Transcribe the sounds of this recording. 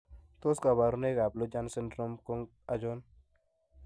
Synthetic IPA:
t̪o˦ska˨βa˨ɾu˦ne˦ɡa˨plo˦d͡ʒa˦nsɪ˦ndɾo˦mko˦ŋ | a˦d͡ʒo˦n

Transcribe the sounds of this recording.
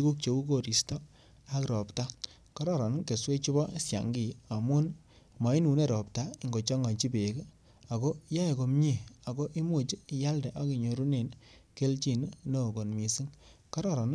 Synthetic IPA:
i˦ku˦k̚t͡ʃe˨u˦ko˦˨ɾi˨stɔ˦ | a˦kɾɔ˨pta˦ | kɔ˦ɾɔ˦˨ɾɔ˨n˦ke˨swe˦t͡ʃi˦bɔ˦sja̰˨ŋɡi˨˦a˨mu˦n | ma˨˦i˦nu˨ne˦ɾɔ˨p̚ta˦i˨ŋɡo˨t͡ʃɔ˦ŋa˨ɲt͡ʃi˦pe˨k | a˨ko˦ja˦e˨ko˨mɲi˦˨a˨ko˦ʔi˦mu˦˨t͡ʃi˦˨ja˦ldɛ˨ʔa˦ki˨ɲo˨ɾu˦ne˨nke˦lt͡ʃi˨nno˦˨ko˨nmi˨si˦ŋkɔ˦ɾɔ˦ɾɔ˨n˦

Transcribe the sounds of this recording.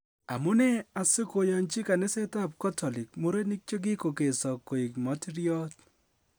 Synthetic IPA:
a̰˨mʊ˦nɛ˦a˨sɪ˦ko˨jɔ˨nt͡ʃɪ˦ka˨nɪ˦se˦ta˦˨p̚ka˦tɔ˨lɪ˨k̚mo˦ɾe˦nɪ˦k̚t͡ʃe˦ɡ̬ɪ˦ko˨ke˨sɔ˨kːo˨i˨kmɔ˨˦ti˦ɾi˦ɔ˦t

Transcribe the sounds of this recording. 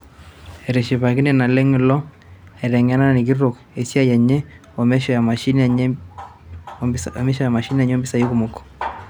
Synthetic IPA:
ɛ˨ɾɛ˨ʃi˨βa˨ki˦nɛ˨na˨lɛ˦ŋi˨lɔ˦ | ɛ˨ɾɛ˨ŋa˦na˦na˨ni˨k̬i˦ɾo˨k | e˨si˦a˦jɛ˨ɲɛ˦ | ɔ˨mɛ˦ʃɔ˨ja˨ma˨ʃi˦n | mɛ˦ʃɔ˨ja˨ma˨ʃi˦n˦a˨ɲo˦mbi˦sa˨jo˦ku˨mo˨kɔ̥˨

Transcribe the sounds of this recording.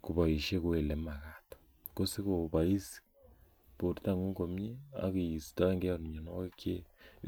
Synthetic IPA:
ko˨βa˨i˨ʃe˦kwe˨le˨ma˨ɣato̥ | ko˦si˦koβa˨i˦si̥ | po˨ti˦ta˦˨ŋu˦ŋɡo˨mje˦a̰˦ke˨i˨si̥ta˦e˦ŋɡe˦o˨ni˨ɲo˨no˦e˦kʰe˦

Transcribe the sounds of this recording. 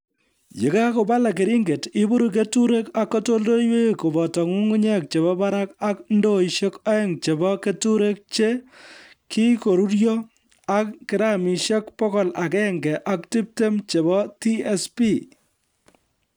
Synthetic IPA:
je˨ka˦ko˨ba˦la˨k̬e˨ɾi˦ŋɡe˨tɪ˦bu˦ɾu˨k̬e˦tu˦ɾe˦ka˦kːɔ˦to˦ldo˦iwe˦ko˨bɔ˨tɔ˨ŋu˦ŋu˦ɲɛ˦k̚t͡ʃe˨βɔ˦ba˦ɾa˦ka˦kndo˦i˨ʃe˦kɔ˦ɛ˦ŋt͡ʃe˨bɔ˦ke˦tu˦ɾe˦k̚t͡ʃe˦ | ki˦ko˨ɾu˦ɾjɔ˦ | a˦kːɪ˨ɾa˦mi˨ʃe˦k̚pɔ˦kɔ˨la˨kɛ˦ŋɡɛ˨ʔa˦k̚ti˦p̚te˦mt͡ʃe˨bɔ˦ti˦e˦spi˦

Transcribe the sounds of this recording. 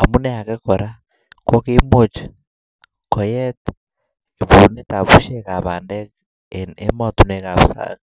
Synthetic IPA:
a˨mu˦ne˦a˨keko˨ɾa˦ | ko˦ke˦mot͡ʃḁ | ko˨jet | e˨βu˨ne˦ta˨βu˦ʃeka˨βaː˨ndek | e˦ma˦tu˦nekaβu˨sa̰ɣa

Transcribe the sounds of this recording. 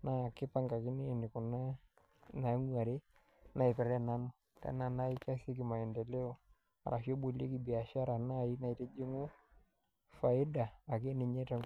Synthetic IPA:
na˦˨kɪ˦pa˦ŋɡa˨kɪ˦ni˦˨nɪ˨kʊ˨na˦ | na˨˦ŋwa˨ɾe˦ | na˨i˨pɛ˨ɾɛ˦na˦nʊ˨ | tɛ̰˦na˨na˦i˦ka˦si˦k̬ɪ˨ma˨ɛ˨ndɛ˨le˦o˨ | a̰˨ɾʔa˨ʃo˦bo˨le˦ki˨bi˨a˨ʃa˦ɾa˨na˦˨i˦na˨i˨te˦d͡ʒi˦ŋʊ˦ | fa˨ɪ˦daː˨ke˦ne˨ɲe˦ta˨

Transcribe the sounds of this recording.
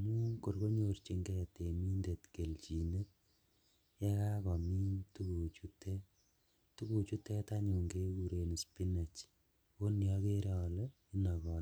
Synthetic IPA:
amu˦ko˨rko˦ɲo˨rt͡ʃi˧ŋɡɛ˦te˨mi˦nde˨tke˨lt͡ʃi˨ne˦ | jɛ˦ka˦kɔ˨mi˦ntu˦ku˨t͡ʃu˦te˦ | tu˦ku˨t͡ʃu˦tɛ˦ta˦ɲu˨ŋɡe˦kuɾe˨ni˨spi˦ne˨t͡ʃ | ko˦ni˨ɔ˦ke˦ɾɔ˨le | i˦nɔ˨kɔː˨l

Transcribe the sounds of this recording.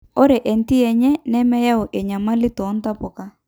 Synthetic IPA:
o˦ɾɛ˨ʔɛ˨n˦ti˦ɛ˨ɲɛ˦nɛ˦mɛ˦ja˦ɔ˨ʔɛ˨ɲa˨ma˦lɪ˦tɔ˨˦n˦ta˦pɔ˨ka˦

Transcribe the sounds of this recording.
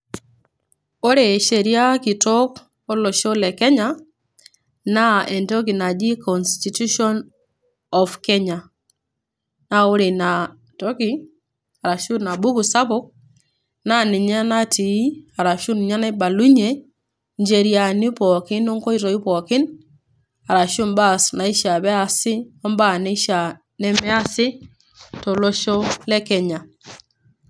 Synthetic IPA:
o˦ɾe˨ʃe˨ɾja˦ki˨tɔ˦k | o˦lɔ˨ʃo˦lɛ˨kɛ˦ɲa˦ | na˦ɛ˨ntɔ˦k̬i˨na˨d͡ʒi˦kɔ˨nsti˨tu˦ʃɔ˦n | ɔ˨fkɛ˦ɲa˨ | na˦o˦ɾe˨na˨ | tɔ˦ki˦ | a˨ɾa˨ʃu˦na˨bu˦ku˨sa˦pɔ˦k̚ | na˦ni˨ɲa˦na˦ti˨i˦a˨ɾa˨ʃu˦ni˨ɲa˦na˦i˦ba˨lu˦ɲe˦ | ɲd͡ʒe˨ɾi˦a˨ni˦pɔ˨kɪ˦nɔ˦ŋkɔ˦i˦ɾɔ˨i˦pɔ˨kɪ˦n | a˨ɾa˨ʃu˦mba˦sna˨i˦ʃa˨βɛ˦a˨sɪ˦ɔ˦mba˦˨nɛ˦ʃa˨ | nɛ˦mɛ˦a˦sɪ˦ | tɔ˨lɔ˦ʃɔ˦lɛ˦kɛ˨ɲa˨

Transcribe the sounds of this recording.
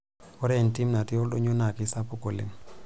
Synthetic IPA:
ɔ˦ɾɛ˦˨nti˦mna˨ti˦o˦lɗo˦ɲo˦na˨ki˦sa˦pu˦ko˨lḛ˨ŋ

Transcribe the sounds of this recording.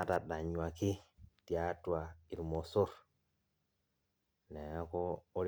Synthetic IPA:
a˦ta˨ɗa˨ɲwa˨ki˦tja˦twa˨i˨ɾmo˨so˦ɾ | ne˨a˦koː˦ɾ

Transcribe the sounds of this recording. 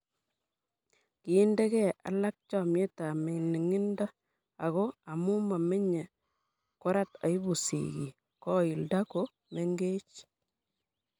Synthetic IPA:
kiː˨˦nde˦kɛ˦a̰˨˦la˦k̚t͡ʃɔ˨me˦ta˨me˨ni˨ŋi˦nda˦ | a˨ɣo˦a˨mu˦ma˨me˦ɲe˨ | kʊ˦ɾa˦ta˨i˦bu˨sḭ˨ɣḭ˨ | kɔ˦i˨lda˦ko˦ | me˦ŋɡe˦t͡ʃ

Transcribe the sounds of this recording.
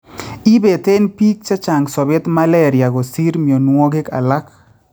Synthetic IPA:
i˦be˨t̪e˦npi˦k̚t͡ʃa˦t͡ʃa˨ŋsɔ˨bɪ˦t̪ma˦lɛ˦ɾja˨ɡo˨si˦ɾmjo˨nwo˦ɡe˦ka̰˨la˦k

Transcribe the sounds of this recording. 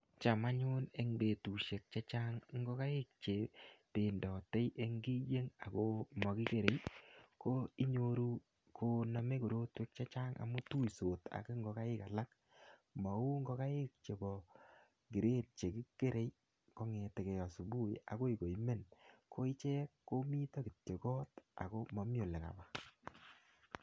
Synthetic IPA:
t͡ʃa˨ma˦ɲʊ˦ne˦ŋbe˨tu˨ʃe˨k̚t͡ʃa˦t͡ʃa˦ŋŋɡo˦ka˦ɪ˦k̚t͡ʃe˨pe˨ndɔ˨te˦jʔe˦ŋɡi˦je˦ŋa˨ko˦mɔ˨ki˦ke˨ɾe˨jko˦i˦ɲo˦ɾu˦ | kʰo˦na˨me˦ko˨ɾo˦twe˦k̚t͡ʃa˦t͡ʃa˦ŋʔa̰˨mu˦tu˦jso˨ta̰˨ki˦ŋɡo˨ka˦ɪ˦ka˨la˦k | ma˨u˦ŋɡo˦ka˦ɪ˦k̚t͡ʃe˨bɔ˨ | ɡi˨ɾe˦t̚t͡ʃe˨kɪ˦ke˦ɾe˨j | ko˦ŋe˨te˨ke˨jɔ˨su˨bu˦ja̰˨ko˦i˨ko˨i˦me˦nkʰo˦i˦t͡ʃɛ˦kːo˦mi˦tɔ˦kɪ˨te˨kɔ˦ta̰˨ko˦mɔ˨˦m˦o˨le˨ŋa̰˨ba˨

